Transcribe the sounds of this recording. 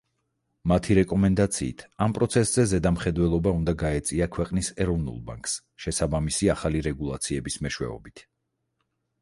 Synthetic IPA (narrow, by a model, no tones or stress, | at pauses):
mat̪ʰiɾɛkʼɔmɛnd̪at̪sʰḭːt̪ʰampʼɾɔt̪sʰɛszɛzɛd̪amχɛd̪wɛlˠɔbaund̪aɡaɛt̪sʼiakʰwɛqʼnisɛɾɔvnṵlˠba̰ŋkʼs | ʃɛsabamisiaχaliɾɛɡulˠa̰t̪sʰiɛbismɛʃwɛ̰ɔ̰bit̪ʰ